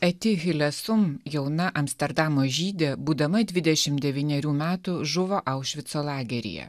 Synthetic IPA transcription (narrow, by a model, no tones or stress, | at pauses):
ɛt̪ʲɪɣʲɪlʲɛsʊmjɛʊnɐʔɐmʲsʲt̪ʲɛɾd̪ɑmoːʒʲiːd̪ʲebuːd̪ɐmɐd̪ʲʋʲɪd̪ʲɛʃʲɪmd̪ʲɛʋʲiːnʲɛɾʲuːmʲæːt̪ʊʒʊʋoːʔɐʊʃʲʋʲɪt̪soːlˠɑːɡʲɛɾʲɪ̰jɛ̰